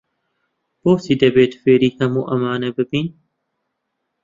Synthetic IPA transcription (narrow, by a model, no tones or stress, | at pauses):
b̥oːsiːd̪ɐbeːt̪feːɾiːhɐmuːʔɐmaːnebɪbiːn